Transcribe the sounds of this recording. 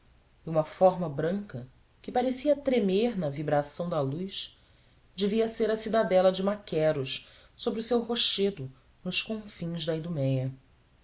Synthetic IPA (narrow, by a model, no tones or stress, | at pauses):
iũmɐfɔɾmɐbɾɐ̃ŋkɐ | kɪpaɾesiɐt̪ɾemeɾnɐvibɾasɐ̃w̃d̪ɐlujʃ | d͡ʒɪviɐseɾɐsid̪ad̪ɛlɐd͡ʒɪmakʰɛɾuʃ | sobɾiʊsewɦoʃed̪ʊ | nʊʃkõfĩj̃zd̪ɐid̪umɛjɐ